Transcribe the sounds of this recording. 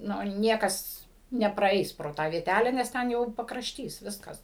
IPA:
ˈnʊ ˈnʲiɛkɐs nʲɛprɐˈɛɪs proː ˈtɑː ʋʲiɛˈtʲælʲɛ nʲɛs ˈtʲɛn jɛʊ pɐkrɐʃʲˈtʲiːs ˈʋʲɪskɐs

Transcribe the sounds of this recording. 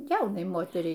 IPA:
ˈjɛʊnɐɪ ˈmoːtʲɛrʲɛɪ

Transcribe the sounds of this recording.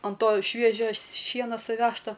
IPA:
ɐn ˈtoː ˈʃʲʋʲiɛʒʲoː ˈʃʲiɛnoː sʊˈʋʲæːʃtoː

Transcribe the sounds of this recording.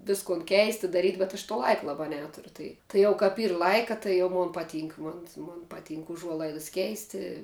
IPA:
ˈʋʲɪskoːn ˈkʲɛɪsʲtʲɪ dɐˈrʲiːtʲ bʲɛt ɐʃ toː ˈlˠɐɪkɐ lˠɐˈbɑː ˈnʲæːtʊrʲʊ ˈtɐɪ tɐɪ ˈjɛʊ kɐp ˈiːr ˈlˠɐɪkɐ tɐɪ ˈjɛʊ ˈmoːn pɐˈtʲiːŋk ˈmoːn moːn pɐˈtʲiːŋk ʊˈʒuɔlˠɐɪdɐs ˈkʲɛɪsʲtʲɪ

